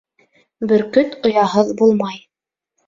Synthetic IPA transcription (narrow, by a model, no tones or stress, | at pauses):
bɵ̆ɾkɵt̪ŏjɑɦɤðbulˠmɑj